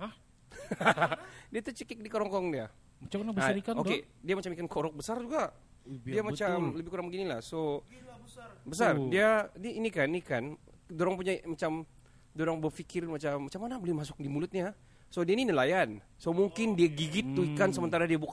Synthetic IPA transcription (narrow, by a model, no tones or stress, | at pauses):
diat̪ut͡ʃəkɛk̚dikoɾɔŋkɔɾɔŋdia | t͡ʃnakaoke | diamat͡ʃamikankʰoɾɔk̚bəsard͡ʒuɡa | iamat͡ʃamləbɪhkuɾaŋbəɡinila̰hso | bəs̬ardianiinikaninikandoɾaŋpuɲamat͡ʃam | doɾaŋbərfikɪrmat͡ʃamːat͡ʃamːanabolɪmasʊ̥k̚dimulʊt̪̚ɲa | sodiaininəlajan | somuŋkɪndiaɡiɡɪt̪ːuikansəmənt̪aɾadiabuk